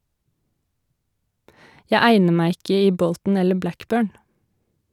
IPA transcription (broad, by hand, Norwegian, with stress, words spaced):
ˈjæɪ ˈæɪnə ˈmæɪ ˈɪkə ˈiː ˈbɔltn̩ ˈɛlə ˈblækˌbøːɳ